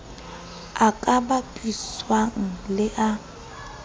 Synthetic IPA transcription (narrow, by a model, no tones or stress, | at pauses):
akʼabapʼiswaŋ̩lɪʔa